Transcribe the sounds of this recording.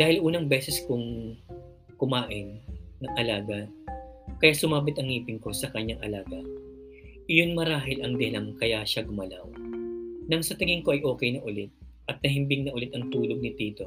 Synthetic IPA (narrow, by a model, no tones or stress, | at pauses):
d̪aːhɪlʔuːnɐŋbɛːsɛskʊŋ | kʊmaːʔɪnːɐŋʔɐlaːɡɐ | kɐjaːsʊmaːbɪt̪ɐŋːiːpɪŋko̞sɐkɐɲːaŋʔɐlaːɡɐ | ʔɪjonmɐɾaːɦɪlʔɐŋd̪ɛlɐŋkɐjaʃaɡʊmɐla̰w | nɐŋsɐt̪ɪŋɪŋkoʔɐjʔo̞ːkɛjnɐʔʊlɪt̪̚ | ʔɐt̪̚nɐɦɪmbɪŋnɐʔʊlɪt̪ɐŋt̪uːloɡ̚nɪt̪iːt̪o̞